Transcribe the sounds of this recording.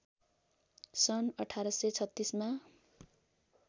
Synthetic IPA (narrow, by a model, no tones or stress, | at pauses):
sʌnʌʈʰaɾʌsʌt͡sʰʌt̪ːisma